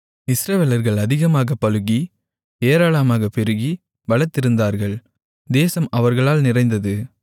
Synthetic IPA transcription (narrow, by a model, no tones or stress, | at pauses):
ɪsɾɐʋeːlɐɾɣɐɭɐðɪɣɐmaːɣɐpːɐlɯɣi | eːɾaːɭɐmaːɣɐpɛɾɯɣi | ʋɐɭɐt̪ːɪɾɯnd̪aːɾɣɐɭ | d̪eːsɐmɐʋɐɾɣɐɭaːlnɪrɐɪnd̪ɐðɯ